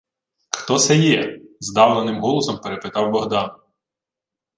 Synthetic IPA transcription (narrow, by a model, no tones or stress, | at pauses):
xt̪ɔsɛjɛzd̪ɑwnˠɐnɪmɦɔlˠɔsɔmpeɾepɪt̪ɑwbɔɦd̪ɑn